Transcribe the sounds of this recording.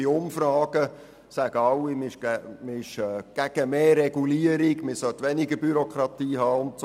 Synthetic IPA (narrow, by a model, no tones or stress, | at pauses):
iʊmfɾɑːɡ̥ə | sæɡ̥əɑwːimʃmɪɪʃɛːɡ̥æɡ̥əmeːrɛɡuliəɾiɡmɪsœt̪ʋɛnɪɡəbyɾokɾɑt̪iːɦɑːʊnts